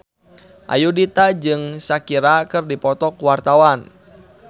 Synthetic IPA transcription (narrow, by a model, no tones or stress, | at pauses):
ʔa̰judit̪ad͡ʒɨŋsakiɾakɨrdipɔt̪ɔkuwart̪awan